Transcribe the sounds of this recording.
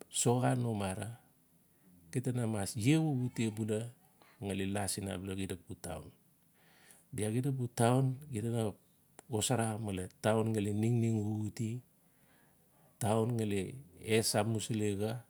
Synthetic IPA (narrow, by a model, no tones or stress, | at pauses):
so̞ɣanomaɾa | ɡ̥itanamasjewuɡutiebula | ŋalelasina̰blaɡidak̚buta̰wn | biaɡidabutawnɡitana | osaɾamaletawnŋaleniŋniŋuɡuti | tawnŋaleesamusleɡa